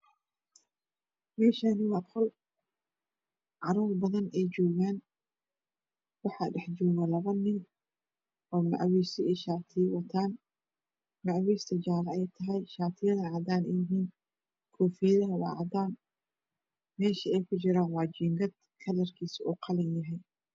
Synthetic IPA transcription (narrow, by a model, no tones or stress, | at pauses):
mɛːʃaːnɪwɑt̪hɔl | ʕɑɾɔːrbɐðɐnɛjd͡ʒɔːɣaːn | wɑħɑɖɛħd͡ʒɔːɣɐlɐβɐnɪŋ | ʔɔːmɐ̰ʕwiːsɪɛjʃaːt̪ʰɪwɐt̪ʰaːn | mɑʕwiːst̪ʰɐd͡ʒaːlɐɛjt̪ʰɐɦɛjʃaːt̪ʰɪjɐðɐʕɑːd̪aːnɛjɪɦiːn | kʰɔːfijɐðɐɦɐwɑ̰ːʕɑd̪aːn | mɛːʃɐɛjkʰʊt͡ʃɪɾaːnwɑːd͡ʒiːŋɡɐd̪̥̚ | kʰɐlɐrkʰiːsʔuːqʰɑlɪnjɐɦɛj